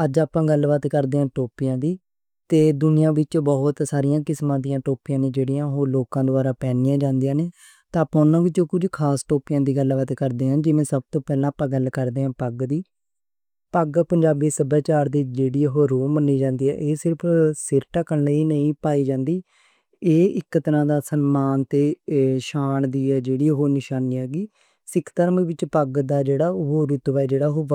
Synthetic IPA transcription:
əd͡ʒaːpãːɡəlʋət̪ːkəɾd̪eːãːʈoːpijãːd̪iː | t̪eːd̪ʊnɪjãːʋɪt͡ʃbɔːʊt̪saːɾɪjãːkɪsmãːd̪ijãːʈoːpijãːneːd͡ʒeːɽijãːɦoːloːkãːd̪oaːɾaːpɛːnɪːãːd͡ʒãːnd̪ijãːneː | t̪ãːpãːʊnːãːʋɪt͡ʃoːkʊd͡ʒkʰaːsʈoːpɪjãːd̪iːɡəlbət̪kəɾd̪eːɦãːd͡ʒɪʋẽːsəb̚t̪õːpɛːlãːpãːɡəlkəɾd̪eːãːpəɡd̪iː | pəɡpəɲd͡ʒaːbiːsəbaːt͡ʃaːɾd̪iːd͡ʒeːɽiːɦoːɾoːmənːiːd͡ʒãːnd̪iːɛ̰ːʔeːsɪɾpʰsɪɾʈaːkəneiːnəĩːpaːiːd͡ʒãːnd̪iː | eːɪkːət̪ɾãːd̪aːsənmaːnt̪eːʃaːɳd̪iːɛːd͡ʒeːɽiːɦoːnɪʃaːniːɦɛːɡiː | sɪkt̪əɾmʋɪt͡ʃpəɡd̪aːd͡ʒeːɽaːɦoːɾʊt̪ʋaɛːd͡ʒeːɽaːɦoː

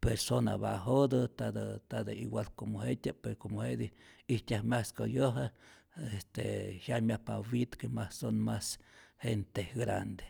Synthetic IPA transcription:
peɾsona̰ba̰ɦod̪ɨt̪ad̪at̪ad̪aiwʷalkomohet̪ʲapeɾokomohed̪iit̪ʲjahmʲaskojoɦa | est̪ḛhjaʔmʲjapawit̪kemasonmashent̪eɡɾa̰nd̪e̥

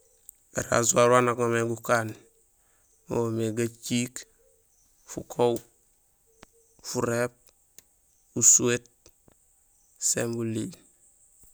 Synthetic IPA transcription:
a̰ɾa̰zuaɾwanaɡomeɡukan | oomeɡat͡ʃiːk | fukʰow | fuɾep̚ | usuet̚ | sembulil

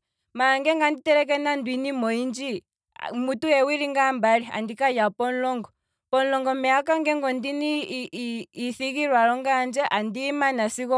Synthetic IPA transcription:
maŋɡɛŋɡanditɛɾɛk̬ɛnandwinimɔind͡ʒi | mutujɛwiɾiŋɡambaɾia̰ndikajapɔnlɔŋɡɔ | pɔnlɔŋɡɔmɛakaŋɡɛŋɡɔndiniː | θiɣiɾwaɾɔŋɡand͡ʒɛʔandimanasikɔ

